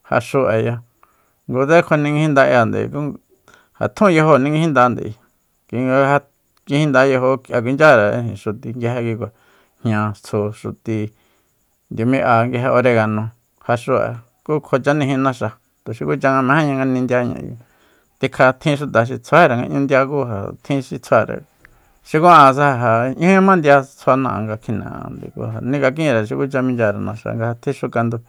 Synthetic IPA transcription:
ha̰˧ʃu˧ʔa˨ja˧ | ŋɡu˧ðe˦kʰo˧nĩ˧ŋɡĩ˧hĩ˦nd̪a˧ʔja˧˨nd̪ḛ˨˧ku˦ | ha̰˨t̪ʰũ˦˧jo˧ɦo˧˨nĩ˧ŋɡĩ˧˦ĩ˦nd̪a˧nd̪ḛ˨i˧ | kʷi˧ŋɡa˧ha˧ | ɡi˧hĩ˦nd̪a˧jo˧ɦo˧kʔa˧k̬i˧nd͡ʒa˦ɾa˨˧ĩ˧˨ʃu˨t̪i˧ŋɡi˧ɦe˧ki˧k̬ʷa˨ | hɲã˧t͡sʰo˧ʃu˧˨t̪i˧ | nd̪ʲo˧mĩ˦ʔa˧ŋɡi˧ɦe˧ʔo˧ɾe˧ɣa˧nõ˧ | ha˧ʂu˧a̰˨ | kuː˦kʰo˧t͡ʃa˦nĩ˧ɦĩ˧nã˧ʃa˧ | t̪u˨ʃi˧ku˦t͡ʃa˧ŋa˧mẽ˧˦ẽ˦ɲã˧ŋɡa˧nĩ˧nd̪ja˧ɲã̰˧jṵ˧ | t̪i˧kʰa˧t̪ʰĩ˦ʃu˧t̪a˨ʃ̬i˧t͡sʰa˦e˦ɾa˨ŋɡa̰˧ʔɲũ˦nd̪ja˧kuː˦ɦa̰˨t̪ʰĩ˦ʃi˧t͡sʰwa˧ɾa̰˨ | ʃi˧kũ˦ã˧s̬a˦ha˧ɦa˨ɲũ˦ã˦mã˦nd̪ja˧t͡sʰa˧nã̰˧˨ŋɡa˧kʰi˧nã̰˨ã̰˧nd̪ḭ˧kṵ˧˦ha˨nĩ˦˧ka˧k̬ĩ˦ɾa˨ʃ̬i˧ku˦t͡ʃa˧mĩ˧nd͡ʒa˧ɾa˨nã˧ʃa̰˧ŋɡa˧ha˧t̪ʰĩ˦ʃu˧ka˧nd̪u˧

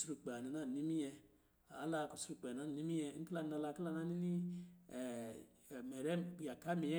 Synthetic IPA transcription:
su˨ɾu˨k͡pe˨a˨ni˨na˦n˨ni˦mi˦jɛ˧ | a˨˦la˧˨ku˨su˨ɾu˧k͡pe˨a˦n˨ni˦mi˦ɛ˧˦ŋ̩˦kla˦n˨a˧la˧kla˦na˦ni˦ni˦˨ | mɛ˨ɾɛ˦m˨k͡pi˨a˨ka˦mi˨ɛ˦

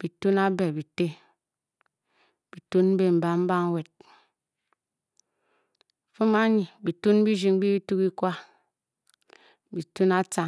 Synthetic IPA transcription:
b̥i˨tu˦na˦be˨bi˨te˦ | b̥i˨tu˦nm̩˦be˦m̩˨ba˨m̩˦ba˦ŋ˦we˨t̚ | fu˦ma˦ɲi˨bi˨tu˦n˦bi˦d͡ʒi˨ŋ˦bi˦bi˦tu˦ki˦kʷwa˦ | bi˨tu˦na˦t͡sa˨

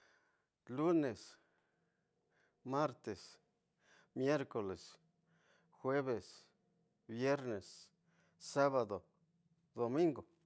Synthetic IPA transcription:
lu˦ne˨s | ma˦ɾt̪e˨s | mje˦ɾko˨le˨s | xwe˦βe˨s | bje˦ɾne˨s | sa˦βa˨d̪o˨ | d̪o˨mĩ˦ŋɡo˨

